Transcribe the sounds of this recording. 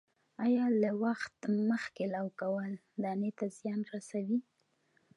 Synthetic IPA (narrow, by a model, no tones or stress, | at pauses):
ɑjɑlawaxt̪məxkelawkawəl | d̪ɑnet̪azjɑnɾasawi